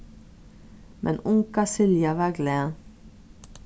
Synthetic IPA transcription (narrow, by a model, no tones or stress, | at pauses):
mʔɛ̰nʊŋkɑsɪljɑʋæɡle